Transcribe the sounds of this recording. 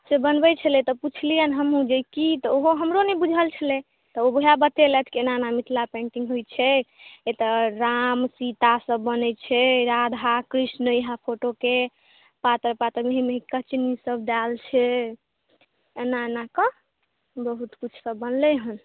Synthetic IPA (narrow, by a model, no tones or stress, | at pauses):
sebənbɛt͡ʃʰəlɛt̪ɔput͡ʃʰlijənɦəmũd͡ʒekit̪ɔoɦoɦəmɾonɛbud͡ʒʱəlt͡ʃʰəlɛ | t̪ɔobəɦabət̪elɛt̪ʰkeenanamit̪ʰlapẽɳʈiŋɡɦojt͡ʃʰɛet̪əɾamsit̪asəbːənɛt͡ʃʰɛɾad̪ʱakɾisnəjɦapʰoʈoke | pat̪əɾpat̪əɾmeɦimeɦikət͡ʃnisəb̚d̪alt͡ʃʰɛ | enanakə | bəɦut̪kut͡ʃʰsəbːənlɛɦən